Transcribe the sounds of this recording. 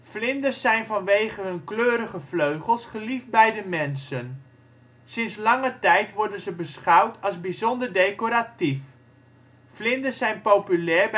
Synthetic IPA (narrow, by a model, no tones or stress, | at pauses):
flɪndəsɛjnvɑnʋejχənɦɵnkløːɾəχəvløɥχəlˠsχəlifbɛjdəmɛnsən | sɪnslɑŋətɛjtʋɔɹdənzəbəsχɑwtʰɑlˠzbizɔndəɹdejkoɾatif | flɪndəsɛjnpowpylɛːɹb